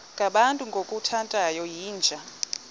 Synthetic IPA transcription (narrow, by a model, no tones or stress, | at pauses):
ŋɡʱaɓantʼuŋɡʱokʼutʰantʼajɔjiːnd͡ʒʱa